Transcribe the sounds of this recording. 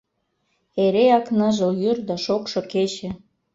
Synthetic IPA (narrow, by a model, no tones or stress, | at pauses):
eɾeɑknɤʒə̆ljyrd̪ɑʃokʃoket͡ɕĕ